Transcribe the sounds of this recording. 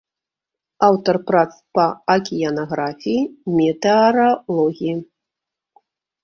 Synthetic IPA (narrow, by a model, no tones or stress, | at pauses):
awt̪ɐrpɾat̪spɐɐkʲijanaɣɾafʲijimʲɛt̪ɛɐɾɐlˠɔɣʲiji